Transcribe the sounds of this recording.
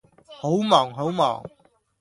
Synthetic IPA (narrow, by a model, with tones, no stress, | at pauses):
ho˨˥wmɔː˨˩ŋɦo˨˥wmɔ̰ː˨˩ŋ